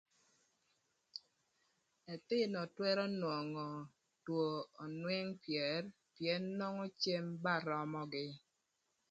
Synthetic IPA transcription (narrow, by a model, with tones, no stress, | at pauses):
ɛ˨tɪ˦nɔ˨twɛ˦ɾɔ˦nwɔ˨ŋɔ˨ | two˨ɔ˨nwɛ˦ŋpjɛ˨r | pjɛ˦nːɔ˦ŋɔ˦t͡ʃe˦mba˦˨ɾɔ˦mɔ˦ɡɪ˦